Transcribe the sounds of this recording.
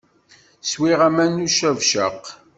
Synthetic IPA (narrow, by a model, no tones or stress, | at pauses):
swiʁæmænuʃævʃə̰q